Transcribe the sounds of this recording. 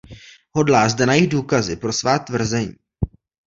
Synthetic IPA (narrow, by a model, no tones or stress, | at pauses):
ɦo̞dlaːzdɛnajɪɣduːkazɪpɾo̞svaːt̪vr̩zɛɲiː